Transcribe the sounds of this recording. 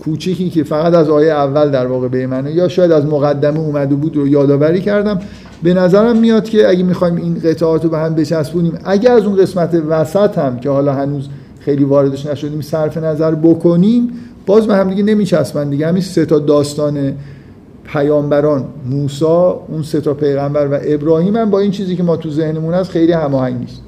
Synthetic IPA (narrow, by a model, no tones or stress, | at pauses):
kʰuːt͡ʃʰiciːce̞fæɣæt̪æzɒːjeævːæld̪æɾvɒːɣe̞bemænejɒːʃɒːjæd̪æzmoɣæd̪ːæmeuːmæd̪ebuːd̪ɾojɒːd̪ɒːvæɾiːcʰæɾd̪æm | be̞næzæɾæmːijɒd̪̥cʰe̞æɟemixɒːjminɢet̪ʰɒɒːt̪obehæmbe̞t͡ʃʰæsbuːniːmæɟæɾæzunɣe̞smæt̪ʰevæsæt̪ʰhæmcʰehɒːlɒːɦænuːz | xejliːvɒːɾe̞d̪eʃnæʃo̞d̪iːmsæɾfe̞næzæɾbokʰo̞niːm | b̥ɒːzbehæmd̪iɟene̞miːt͡ʃʰæsbænd̪iɟehæminse̞t̪ʰɒːd̪ɒːst̪ɒːne̞ | pʰæjɒːmbæɾɒːnmuːsɒːunse̞t̪ʰɒːpʰe̞jɣæmbæɾvæʔe̞bɾɒːhiːmhæmbɒːint͡ʃʰiːziːcemɒːt̪ʰuze̞hne̞munæsxejliːhæmɒːhæɲɟnḭːst̪